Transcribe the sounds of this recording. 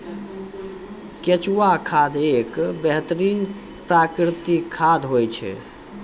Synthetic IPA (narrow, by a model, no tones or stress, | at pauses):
ket͡ʃuakʰad̪ʱekbeɦt̪əɾin | pɾakɾit̪ikʰːad̪ʱɦojt͡ʃʰɛ̰